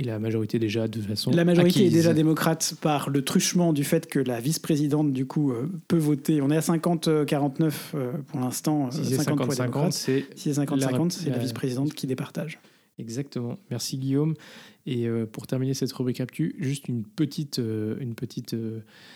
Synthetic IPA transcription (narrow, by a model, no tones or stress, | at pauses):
elamaʒɔʁit̪ed̪eʒad̪ət̪ut̪fasɔ̃lamaʒɔʁit̪eɛd̪eʒad̪emɔkχat̪paʁlət̪χyʃmɑ̃d̪yfɛt̪kəlavispχezid̪ɑ̃t̪̚d̪ykʰuøpøvot̪eɔ̃nɛasɛ̃kɑ̃t̪kaʁɑ̃t̪nœføpuʁlɛ̃st̪ɑ̃sɛ̃skɑ̃pwad̪̃mɔkkχat̪sɛsiɛs̬ɛ̃kɑ̃t̪sɛ̃kɑ̃t̪sɛlavispχezid̪ɑ̃t̪kʲid̪epaʁt̪aʒ | ɛɡzak̚t̪əmɑ̃mɛʁsiɡʲijomeøpuʁt̪ɛʁminesɛt̪ʁybʁikap̚t̪ʰyʒyst̪ynpət̪ʰit̪øynpət̪ʰit̪ø